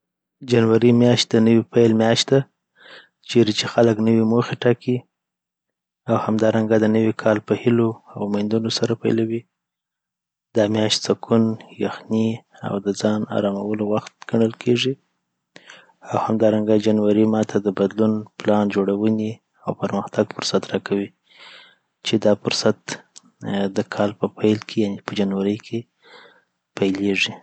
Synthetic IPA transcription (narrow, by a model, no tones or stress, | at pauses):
d͡ʒanwaɾimjɑʃt̪̚d̪ənəwipajlmjɑʃt̪d̪a | t͡ʃeɾit͡ʃexaləknəwimoxeʈɑkʰi | awhamd̪ɑɾaŋɡad̪ənəwikʰɑlpəhɪloawmajnd̪unosaɾapa̰jlawi | d̪ɑmjɑʃt̪t͡sakʰunjaxni | a̰wd̪əd͡zɑnɑ̰ɾɑmawəlowaxt̪ɡ̥aɳəlkʰeʐi | awhamd̪ɑɾaŋɡad͡ʒanwaɾimɑt̪ʰad̪əbad̪lunplɑnd͡ʒoɽawəni | awpəɾməxt̪aɡfʊɾsat̪ɾɑkʰawi | t͡ʃed̪ɑfʊɾsat̪ | d̪əkʰɑlpəpajlkʰejanepəd͡ʒanwaɾəjkʰe | pajleʐi